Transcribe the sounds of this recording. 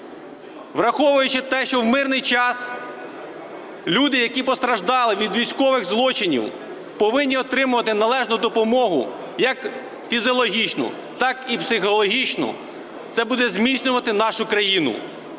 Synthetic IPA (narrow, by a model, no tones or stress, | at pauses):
ʋrɐxɔʋʊjʊt͡ʃɪt̪ɛʃt͡ʃɔwmɪrnɪjt͡ʃɑs | lʲud̪ɪjɐkʲipɔst̪ɾɐʒd̪ɑlˠɪʋʲid̪ʋʲijsʲkɔʋɪɣzlˠɔt͡ʃɪnʲḭw | pɔʋɪnʲːiɔt̪ɾɪmʊʋɐt̪ɪnɐlˠɛʒnʊd̪ɔpɔmɔɦʊ̰ | jɐk | fʲizʲɔlˠɔɦʲit͡ʃnʊ̰ | t̪ɑkipsɪxɔlˠɔɦʲit͡ʃnɔ̰ | t̪sɛbud̪ɛzmʲisʲnʲʊʋɐt̪ɪnɑʃʊkɾɐjinʊ̰